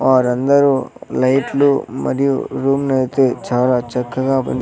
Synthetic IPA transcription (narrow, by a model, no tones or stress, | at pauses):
ʋaːɾɐnd̪ɐɾulɐjʈlumɐ̰ɾijṵɾuːmnɐjt̪e̞ːt͡ʃaːlaːt͡ʃɐkːɐɡaːpo̰nd̪